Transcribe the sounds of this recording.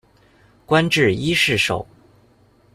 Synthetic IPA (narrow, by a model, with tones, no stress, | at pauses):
kwa˥nʈ͡ʂɻ̩˥˩i˥ʂɻ̩˥˩ʂo̰˨˩˦ʊ